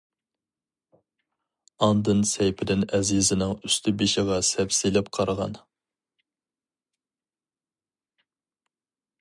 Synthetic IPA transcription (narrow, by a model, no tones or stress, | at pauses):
ɑnd̪ɨnsɛjpʰɪd̪ɪnɛzizɪnɪŋyst̪ʰɪbɪʃɪʁɑsɛpsilɪpqʰɑɾʁɑ̰n